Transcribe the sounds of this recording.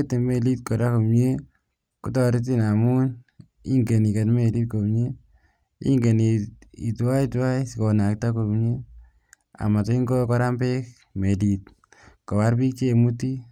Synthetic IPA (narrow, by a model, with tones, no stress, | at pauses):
ete˨me˨li˦t̚ko˨ɾako˨pɲe˦ | ku˦tɔɾi˦t̬i˦namu˦n | ḭ˦ŋɡe˨ni˨ke˨tme˨li˦t̚ko˨mɲe | ḭ˦ŋɡe˨ni˨i˨twa˦i˦twa˦jsiko˨na˨k̚tako˧pɲe | a̰˨ma˨to˦i˦ŋɡo˦kɔ˦ɾambek̚ | me˨lit | ko˨wa˦ɾbi˦k̚t͡ʃe˦mu˦ti˦